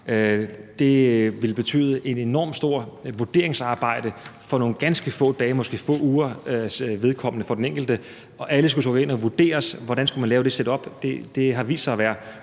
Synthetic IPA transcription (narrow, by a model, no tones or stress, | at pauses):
ød̥e̝ʋe̝lb̥e̝t͡sʰy̰ːðˠəʔe̝de̝nɒ̰ːm̥sd̥o̝ɐ̰ʋuɐd̥e̝ɐeŋsɑ̈ːb̥ɑ̈ɪ̰d̥əfɒ̽no̝ːn̩ɡ̥ænsɡ̥əfɔ̰̽ːd̥ɛːmɒ̽sɡ̥ḛːfɔ̰̽ːuːɐøʋe̝ð̞ˠkʰɒ̽m̰ənəfɒ̽d̥eneŋɡ̥l̩d̥ə | ɒ̽ʔæləsɡ̥ut͡sʰɔɡ̥e̝n̰ɒʋud̥e̝̰ːɐsʋɒɾ̥ænsɡ̥umænlɛːʊd̥e̝sed̥ɒ̽b̥d̥ed̥e̝ɦɑ̈ʋḭːsɑ̈ɪɒʋæːɐ